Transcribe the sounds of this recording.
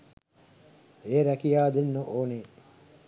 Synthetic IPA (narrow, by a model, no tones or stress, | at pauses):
eːɾækijaːd̪enːoʔoːne